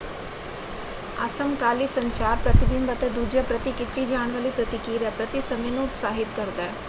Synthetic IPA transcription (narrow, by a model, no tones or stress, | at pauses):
ɐ̰sɐmkaːlisɐɲt͡ʃaːɾpɾɐt̪ibimbɐt̪ɐd̪ud͡ʒɐpɾɐt̪ikɪt̪ːid͡ʒaːɳʋɐlipɾɐt̪ikiːɾɐpɾɐt̪isɐminoːt̪saːɦɪt̪kɐɾd̪ɐː